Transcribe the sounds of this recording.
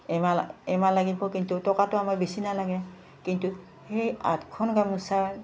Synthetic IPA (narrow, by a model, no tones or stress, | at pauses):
ɛaɛmalaɡibɔkintutɔkatʊamabisinalaɡɛ | kintu | heja̰tkʰɔnɡamusaɹ